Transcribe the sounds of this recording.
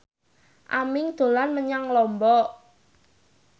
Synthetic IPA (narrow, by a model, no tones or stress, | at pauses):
ʔamɪŋd̪̥o̤lanməɲaŋlɔmbɔ